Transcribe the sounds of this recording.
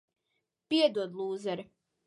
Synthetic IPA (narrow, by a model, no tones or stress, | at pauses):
piɛd̪uɔd̪lˠuːzɛɾi